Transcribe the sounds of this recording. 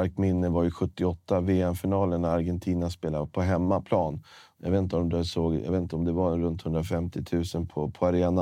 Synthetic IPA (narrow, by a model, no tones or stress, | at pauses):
aɾkmɪnːəvaɾjɵɧɵt̪ːɪɔt̪ːaveːɛmfɪnɑːlənaɾɡɛnt̪ʰiːnaspeːlapʰɔɦɛmːapʰlɑːn | jɑ̰vet̪nt̪əɔmd̪soːɡja̰vet̪n̩t̪əɔmd̪ɛvaɾɛnɾɵnt̪hɵnd̪ɾafɛmt̪ʰɪt̪ʰʉ̟ːsənpʰɔpʰɔaɾeːna